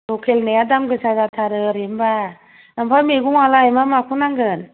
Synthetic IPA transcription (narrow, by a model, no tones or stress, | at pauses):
lokʰelnejadamɡɯsazat̪ʰaɾɯɾimba | nampʰameɡuŋalaemamakʰunaŋɡɯn